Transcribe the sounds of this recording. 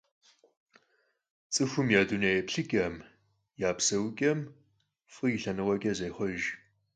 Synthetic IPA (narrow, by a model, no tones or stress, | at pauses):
t͡sʼɨxʷʊmjaːdunejpɬɨkʲʼɐm | jaːpsɐwkʲʼɐm | fʼɨjɪɬɐnɨʁɔkʲʼɐzejχɔʒ